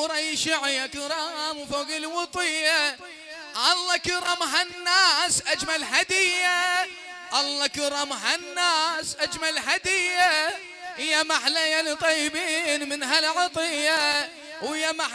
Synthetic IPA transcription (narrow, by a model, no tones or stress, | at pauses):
ɾˤɑjʃɪʕjakɪɾˤɑmwfoɣilwɑt̪ˤɨjːa | ʔɑlˤːɑkʊɾˤɑmɦanːaːsʔad͡ʒmalhad̪ɪjːa | ʔɑlˤːɑkɪɾˤɑmɦanːaːsʔad͡ʒmalhad̪ɪjːa | ɪjamaħlajalit̪ˤɑjːɪbiːnmɪnɦalʕɑt̪ˤɨjːa | wɪjːama